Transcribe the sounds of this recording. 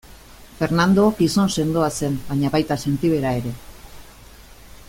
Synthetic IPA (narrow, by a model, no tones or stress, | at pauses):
fe̞ɾnand̪okiso̞nse̞nd̪o̞ase̞mbaɲaβajt̪ase̞nt̪iβ̞e̞ɾae̞ɾe̞